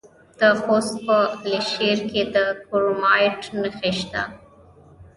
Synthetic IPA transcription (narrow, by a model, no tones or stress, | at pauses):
d̪̥əxost̪̚pəleʃeɾked̪əkoɾmɑjʈnəxeʃt̪a̰